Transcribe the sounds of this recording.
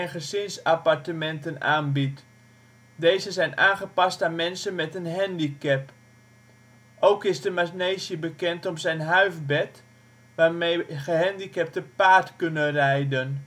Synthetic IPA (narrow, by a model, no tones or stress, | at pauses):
nχəzɪnsapartəmɛntənaːnbit | dejzəzɛjnaːnχəpastaːnmɛnsənmɛtənɦɛndikɛp | ʔowkɪsdəmasnejsjəbəkɛntɔmsɛjnɦœɥfbɛt | ʋaːrmejɣəɦɛndikɛp̚təpaːtkønərɛjdən